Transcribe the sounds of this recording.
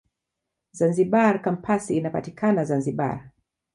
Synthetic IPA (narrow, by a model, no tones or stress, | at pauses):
zanziɓaɾkampʰasiːnapa̰tikʰanazanziɓa̰ɾ